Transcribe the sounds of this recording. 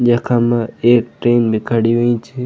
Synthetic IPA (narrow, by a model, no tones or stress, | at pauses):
d͡ʒəkʰamãeːk̚ʈɾeːnbʱikʰaɽiʋeĩt͡ʃʰi